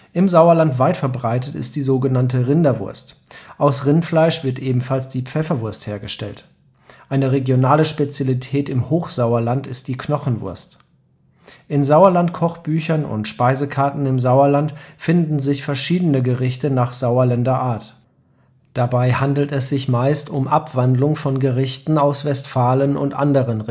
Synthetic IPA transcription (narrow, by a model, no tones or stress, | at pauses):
ʔɪmzaʊɐlantv̥aɪtfɛɐbʁaɪtətɪ̰st̚d̥iːzoːɡənantəʁɪndɐvʊ̰ɐstʔaʊsʁɪntflaɪʃv̥ɪɐtʔeːbm̩falsd̥iːp͡fɛfɐvʊɐstheːɐɡəʃtɛ̰lt | ʔaɪnəʁeɡjonaːləʃpet͡sjalitʰɛːtɪmhoːxz̥aʊɐlantɪst̚d̥iːkʰnɔχn̩vʊ̰ɐst | ʔɪnzaʊɐlantkʰɔχb̥yːçɐnʊ̰ntʃpaɪzəkʰaɐtn̩ɪmzaʊɐlantfɪndn̩zɪçfɛɐʃiːdənəɡəʁɪçtənaːχz̥aʊɐlɛndɐʔaːɐt | d̥abaɪhandl̩tɛs̬z̥ɪçmaɪstʊmʔapv̥andlʊŋfɔnɡəʁɪçtn̩aʊsv̥ɛstfaːlənʊ̰ntʔa̰ndəʁən